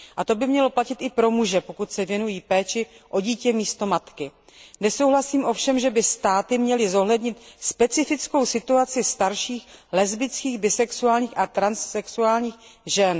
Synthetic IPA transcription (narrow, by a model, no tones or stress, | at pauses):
ʔat̪o̞bɪmɲɛlo̞placɪt̪ɪpɾo̞muʒɛpo̞kut̪sɛvjɛnujiːpɛːt͡ʃɪʔo̞ɟiːcɛmiːst̪o̞mat̪kɪ | nɛsowɦlasiːmʔo̞fʃɛmʒɛbɪst̪aːt̪ɪmɲɛlɪzo̞ɦlɛdɲɪt̪spɛt͡sɪfɪt͡sko̞wsɪt̪uat͡sɪst̪aɾʃiːxlɛzbɪt͡skiːɣbɪsɛksuaːlɲiːxʔat̪ɾansːɛksuaːlɲiːxʒɛn